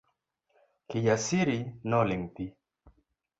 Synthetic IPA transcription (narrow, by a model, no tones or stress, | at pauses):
kijasiɾinɔliŋt̪i